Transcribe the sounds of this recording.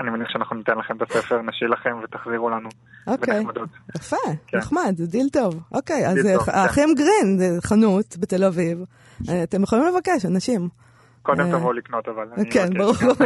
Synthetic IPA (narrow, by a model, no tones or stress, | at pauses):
animaniχʃeanaχnunot̪enlaχemt̪asefeʁnaʃilaχe̞mvet̪aχziʁulanu | ʔobekejmad̪ot̪jafekneχmad̪dilt̪o̞vʔo̞kejazaχimɡʁinzeχanut̪bete̞laviv | at̪e̞mjeχolimle̞vakeʃanaʃim | kod̪emt̪avoliknot̪avalkenbaʁuʁbau